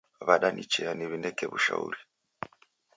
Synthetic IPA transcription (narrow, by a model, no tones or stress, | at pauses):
βaɗanit͡ʃeaniβinekeβuʃa̰ṵɾi